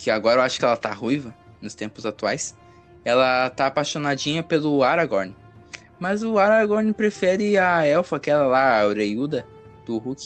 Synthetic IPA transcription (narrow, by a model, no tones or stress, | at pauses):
kɪaɡɔɾɐewaʃʊ̥kɪɛlɐt̪ahujvɐ | nʊst̪ẽmpʊzat̪uajs | ɛlɐt̪aːpaʃonad͡ʒĩɲɐpelʊaɾaɡoɾnɪ | mɐzʊaɾaɡoɾnɪpɾefɛɾɪaɛwfɐakɛlɐlaoɾejud̪ɐ | d̪̥ʊhukɪ